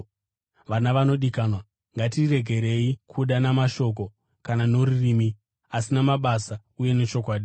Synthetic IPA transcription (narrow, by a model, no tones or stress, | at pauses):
ʋanaʋano̞ɗikaːnwa | ŋɡatire̞ɡʱe̞ɾe̞ikʰuɗanamaʃo̞k̬o̞ | kanano̞ririːmi | asinamaɓasa | uje̞ne̞t͡ʃo̞kwaːɗi